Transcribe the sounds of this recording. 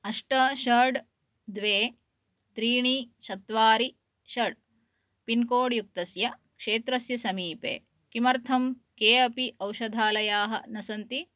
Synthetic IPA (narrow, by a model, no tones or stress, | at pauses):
ɐʂʈɐʃɐɖ | d̪ʋeː | t̪ɾiːɳit͡ʃɐt̪ʋaːɾi | ʃɐɖ | pinkoːɽjuk̚t̪ɐsjɐkʂeːt̪ɾɐsjɐsɐmiːpḛː | kimɐɾt̪ʰɐm | keːɐpiʔɐwʃɐd̪ʱaːlɐjaːɦɐ̰nɐsɐnt̪i